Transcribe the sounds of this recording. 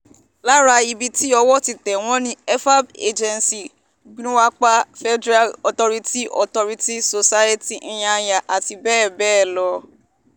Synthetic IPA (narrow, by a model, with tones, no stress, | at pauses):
la˦ɾa˧i˧bi˧ti˦ɔ˧wɔ˦ti˨tɛ˨w̃ɔ̃˦nĩ˦ɛ˦fa˦be˦d͡ʒɛ̃˧nsi˨ | ɡnũ˦wa˦k͡pa˦fɛ˦dɾa˦lɔ˨tɔ˧ɾi˦ti˦ʔɔ̰˨tɔ˧ɾi˦ti˦so˧sa˦je˦ti˦˨ĩ˦j̃ã˧ja˨ʔa˨ti˧bɛː˦˨bɛː˦˨lɔ˧